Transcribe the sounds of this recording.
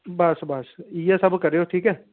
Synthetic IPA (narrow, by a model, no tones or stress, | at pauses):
bɐsbɐsjesɐbkɐɾeːoʈʰiːkɦɛː